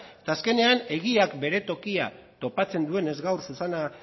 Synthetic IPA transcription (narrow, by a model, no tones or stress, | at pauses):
et̪aːske̞ne̞ane̞ɣ̞iakbe̞ɾe̞t̪o̞kia | t̪o̞pat͡se̞nd̪ue̞ne̞zɡawɾsusana